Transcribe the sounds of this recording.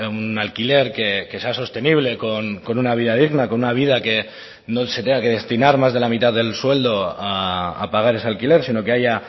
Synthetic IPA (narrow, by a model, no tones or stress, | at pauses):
unalkile̞ɾkeke̞seaso̞st̪e̞niβ̞le̞ko̞nko̞nunaβiðað̞iɣnako̞nunaβ̞ið̞ake̞ | noset̪eŋake̞ð̞e̞st̪inaɾmazð̞elamit̪aððe̞lswe̞ld̪o̞aa̰paɣ̞aɾe̞sealkile̞ɾsino̞ke̞aja